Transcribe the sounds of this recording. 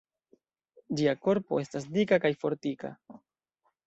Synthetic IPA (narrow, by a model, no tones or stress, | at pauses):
d͡ʒiako̞ɾpo̞e̞stasdikakajfo̞ɾtika̰